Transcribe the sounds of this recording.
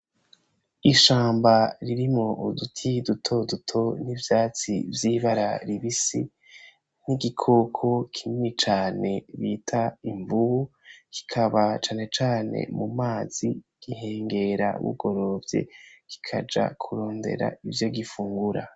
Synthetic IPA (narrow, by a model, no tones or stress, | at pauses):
iʃaːmbaɾiɾimŋo̞ʔudutʰidutʰo̞dutʰo̞nivjaːt͡sḭvjiβaɾaɾiβisi | niɡikʰoːkʰokʰimit͡ʃaːne̞βitʰaiɱvuβuki̥kʰaβat͡ʃaːne̞t͡ʃaːne̞̰mumaːz̥iɡ̥ihe̞ːŋɡe̞ɾa̰βṵɡo̞ɾo̞ːvje̞̰ki̥kʰa̰d͡ʒa̰kʰuɾo̞ːnde̞̰ɾa̰ivjo̞ɡifuːŋɡuɾa̰